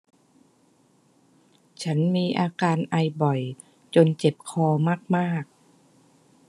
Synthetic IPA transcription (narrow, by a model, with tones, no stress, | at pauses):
t͡ɕʰa˦˥nmiː˧ʔaː˧kaː˧nʔa˧jbɔ˨˩j | t͡ɕo˧nt͡ɕe˨˩p̚kʰɔː˧maː˥˩k̚maː˥˩k̚